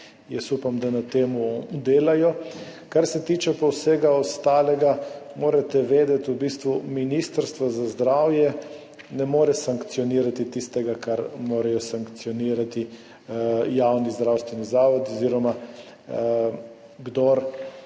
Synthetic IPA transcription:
jɛsupamd̪anat̪eːmud̪eːlajɔkaɾsɛt̪iːt͡ʃɛpɔwseɡaɔst̪aːlɛɡamoːɾat̪ɛʋeːd̪ɛt̪ubiːst̪ʋuminist̪əɾst̪ʋazazd̪ɾawjɛ | nɛmoːɾɛsaŋkt̪sjɔniːɾat̪it̪ist̪ɛɡakaɾmoːɾajɔsaŋkt̪sjɔniːɾat̪i | jawnizd̪ɾawst̪ʋɛnizaːʋɔt̪ɔziːɾɔma | ɡd̪oɾ

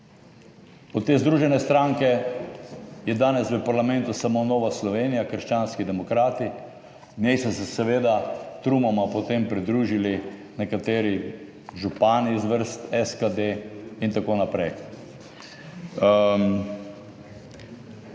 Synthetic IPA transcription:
ɔt̪t̪ːeːzd̪ɾuːʒɛnɛst̪ɾaŋkɛ | jɛd̪aːnɛsʋəpaɾlamɛ̃nt̪usamonoːʋaslɔʋenijakəɾʃt͡ʃanskid̪ɛmɔkɾaːt̪i | njɛjsɔsɛsɛʋeːd̪at̪ɾumɔmapot̪empɾid̪ɾuʒili | nɛkat̪eːɾi | ʒupaːnizʋəɾst̪ɛskad̪eint̪akoːnapɾɛj

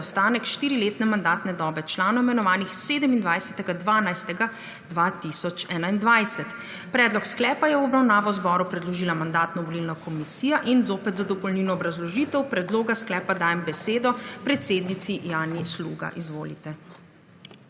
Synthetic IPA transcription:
wst̪aːnɛkʃt̪iːɾileːt̪nɛmand̪aːt̪nɛd̪ɔːbɛt͡ʃlaːnɔɛmɛnɔʋaːnixseːd̪ɛmind̪ʋajsɛt̪ɛɡad̪ʋaːnajst̪ɛɡa | d̪ʋat̪isɔt͡ʃɛːnaind̪ʋajsɛt̪ | pɾɛːd̪lɔksklɛːpajɛwɔbɾawnaːʋɔwzbɔːɾupɾɛd̪lɔʒiːlamand̪aːt̪nɔʋɔlilnɔkʰɔmisiːjaʔinzoːpɛt̪zad̪ɔpɔlninɔːbɾazlɔʒiːt̪ɛwpɾɛd̪loːɡasklɛːpad̪aːjɛmbɛseːd̪ɔpɾɛt̪seːd̪nit̪sijaːnislṵːɡa̰ʔizʋoːlḭt̪ɛ

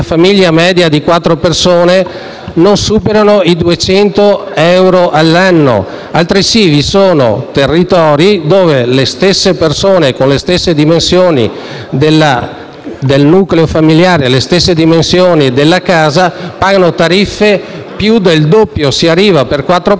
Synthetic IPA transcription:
afamiʎːamɛːd̪jad̪ikwat̪ːɾopersoːne | nonsuːpeɾanoid̪uet͡ʃɛnt̪oɛwɾoʔalːanːo̰ | alt̪ɾisivisoːno̰t̪erːit̪ɔːɾid̪oːvelest̪esːepersoːnekonlest̪esːed̪imensjoːnḭ | d̪elːa | d̪elnukleofamiljaːɾelest̪esːed̪imensjoːnid̪elːakaːzapaːɡanot̪aɾifːepjud̪eld̪opːjosiarːiːvaperkwat̪ːɾo

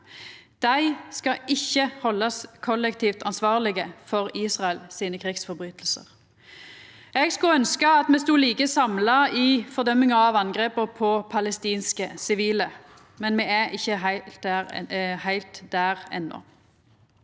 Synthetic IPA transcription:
d̪̥æɪskɑʔɪçːəhɔlːɑskʰɔlːɛkt̪ʰiːft̪ɑnsʋɑːʁlɪɡəfɔʁiːsʁɑɛlsiːnəkʰʁɪɡsfɔʁbʁyːt̪lsə̰ʁ | ɛːɡskʉœnskəɑt̪mɛːst̪uːliːkəsɑmlɑiːfɔʁd̪œmːɪŋɑɑʋɑnɡʁeːpəpʰɔpʰɑlɛst̪iːnskəsɪʋiːlə | mɛnmɛːæʔɪçːəɦæɪ | hæɪlt̪d̪æʁɛ̰nːɔ̰

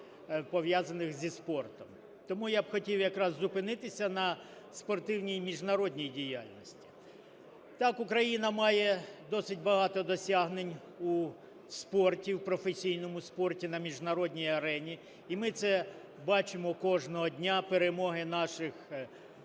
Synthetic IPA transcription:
pɔʋjazɐnɪxzʲispɔrt̪ɔm | t̪ɔmujabxɔtʲiwjɐkɾɑzːʊpɪnɪt̪ɪsʲɐnɐ | spɔrt̪ɪwnʲijmʲiʒnɐɾɔdʲnʲijdʲijalʲnɔsʲtʲi̥ | t̪ɑkʊkɾɐjinɐmɑjɛd̪ɔsɪtʲbɐɦɑt̪ɔd̪ɔsʲaɦnenʲ | u | spɔrtʲiwpɾɔfesʲijnɔmʊspɔrtʲinɐmʲiʒnɐɾɔdʲnʲijɐɾɛnʲi | imɪt̪sɛ | bɑt͡ʃɪmɔkɔʒnɔɦɔdʲnʲapeɾemɔɦɪnɑʃɪx

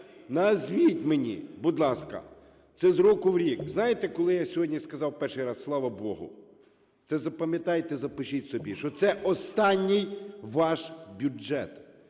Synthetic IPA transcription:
nɐzʋʲitʲmenʲḭbʊd̪lˠɑskɐ̰ | t̪sɛzɾɔkʊwɾʲikznɑjet̪ɛkɔlˠɪjasʲɔɦɔdʲnʲiskɐzɑwpɛrʃɪjɾɑsːlˠɑʋɐbɔ̰ɦʊ̰ | t̪sɛzɐpɐmʲjɐt̪ɑjt̪ɛzɐpɪʃitʲsɔbʲiʃɔt̪sɛʔɔst̪ɑnʲːɪjʋɑʃbʲʊɛ̰t̪

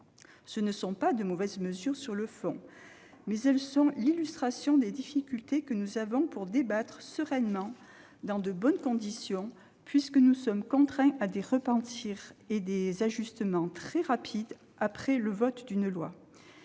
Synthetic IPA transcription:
sənəsɔ̃pad̪əmɔvɛzməzyʁsyʁləfɔ̰̃ | mɛzɛlsɔ̃lilyst̪χasjɔ̃d̪ed̪ifikʲylt̪ekənuzavɔ̃puʁd̪ebat̪χsəʁɛnmɑ̃ | d̪ɑ̃d̪əbɔnkɔ̃d̪isjɔ̃ | pɥiskənusɔmkɔ̃t̪χɛ̃ʔad̪eʁəpɑ̃t̪ʰiʁed̪ezaʒyst̪əmɑ̃t̪χɛʁapʰid̪ | apχɛləvɔt̪d̪ynlwa̰

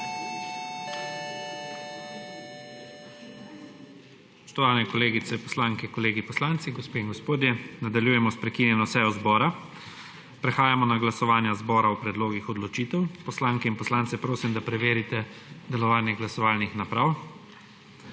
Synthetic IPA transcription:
ssspɔ̥ʃt̪ɔʋaːlnɛkɔleːɡit̪sɛpɔ̥slaːŋkɛkɔleːɡipɔslant̪siɡɔspeːiŋɡɔspoːd̪jɛnad̪aljuːjɛmɔspɾɛkinjɛnɔsɛjɔzbɔːɾa | pɾɛxaːjamɔnaɡlasɔʋaːnjazbɔːɾawpɾɛd̪loːɡixɔd̪lɔt͡ʃit̪ɛwpɔslaːŋkɛinpɔslaːnt̪sɛpɾoːsimd̪apɾɛʋeːɾit̪ɛ | d̪ɛlɔʋaːnjɛɡlasɔʋaːlnixnapɾaːw

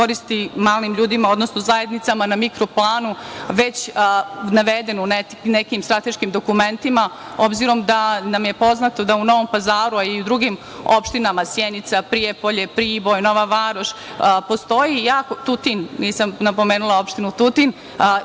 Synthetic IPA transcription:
koɾist̪imaːlimʎuːd̪imao̞d̪no̞snozaje̞d̪nit̪samanamikɾoplˠaːnuʋe̞t͡ɕ | naʋed̪e̞nunenekimst̪ɾat̪eʃkimd̪o̞kume̞nt̪imao̞bziɾo̞md̪anamjepo̞znat̪o̞d̪auno̞ʋo̞mpazaːɾuaiud̪ɾuɡim | opʃt̪inamasjenit̪sapɾijepoʎepɾiːbojno̞ʋaʋaːɾoʃpost̪o̞jijaːkot̪ut̪inniːsamnapo̞meːnulˠao̞pʃt̪inut̪ut̪in

